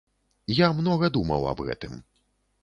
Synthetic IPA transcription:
jamnɔɣɐd̪umɐ̰wɐ̰bɣɛ̰t̪ɨm

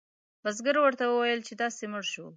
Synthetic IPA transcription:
bazɡəɾwəɾt̪awəwajəlt͡ʃed̪ɑsemʊɽʃu

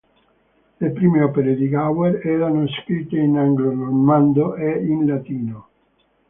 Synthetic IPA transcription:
lepɾiːmeɔpeɾed̪iɡaweɾɛːɾanoskɾit̪ːeinaŋɡlonomand̪oʔɛinlat̪iːno

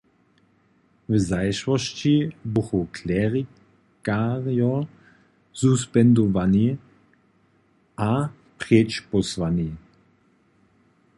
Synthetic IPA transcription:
vzajʃwɔʃt͡ʃibuxokʰlɛʁi | kaʁjɔ | suspɛnd̪ɔvani | ʔa | pʁjɛt͡ʃpɔsvani

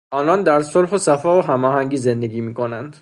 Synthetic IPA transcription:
ʔɒːnɒnd̪æɾsolɦosæfɒːoɦæmɒːɦæŋɟiːze̞nd̪e̞ɡʲiːmiːkʰo̞nænd̪̥

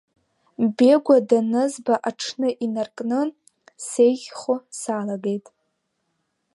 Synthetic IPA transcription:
be̞ɡʷadanɨzbaʔaʈ͡ʂʰnɨʔinarkʼnɨ | se̞jʒʲχosaːlaɡe̞jtʼ

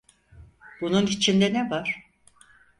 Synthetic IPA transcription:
b̥ununit͡ʃʰind̪ɛnɛvaɾ̥

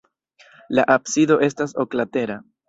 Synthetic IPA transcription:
laʔapsido̞ʔe̞staso̞klate̞ɾa

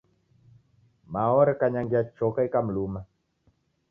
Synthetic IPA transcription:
maɔɾɛkaɲaŋɡiat͡ʃɔkaikam̩luma

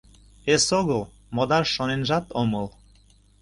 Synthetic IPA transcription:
esoɣəl | mod̪ɑrʃonenʒɑt̪oməl

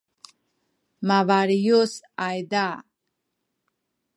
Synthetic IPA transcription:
mavaɾijosajd̪a

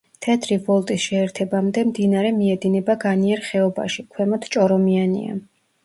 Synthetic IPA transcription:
t̪ʰɛt̪ʰɾivɔlˠt̪ʼisʃɛːɾt̪ʰɛbamd̪ɛmd̪inaɾɛmiɛd̪inɛbaɡaniɛɾχɛɔba̰ʃikʰwɛmɔt̪ʰt͡ʃʼɔɾɔmianḭa̰

